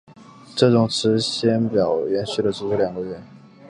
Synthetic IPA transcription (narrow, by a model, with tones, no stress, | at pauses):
ʈ͡ʂɤ˥˩ʈ͡ʂʊ˨˩ŋʈ͡ʂʰɻ̩˧˥ɕjɛ˥npjɑ˨˩ʊjɛ˧˥nɕy˥˩də˩ʈ͡ʂu˧˥˧ljɑ˨˩ŋɡə˦ɥɛ˥˩